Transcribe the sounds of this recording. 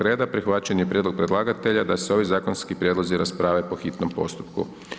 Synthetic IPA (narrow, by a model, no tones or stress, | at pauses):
ɾe̞ːd̪apɾixʋat͡ɕanjepɾjed̪lo̞ɡ̚pɾed̪lˠaːɡat̪e̞ʎad̪aseo̞ʋizaːkonskipɾʲjed̪lo̞ziɾaspɾaːʋepo̞xit̪no̞mpo̞̰st̪u̥pkṵ